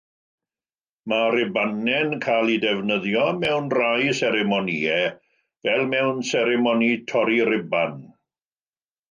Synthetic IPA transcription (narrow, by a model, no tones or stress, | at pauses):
maɾɪbanɛnkʰalˠidɛvnəðjɔmɛwnrajsɛɾɛmɔniɛ | vɛlˠmɛwnsɛɾɛmɔnitʰɔɾirɪban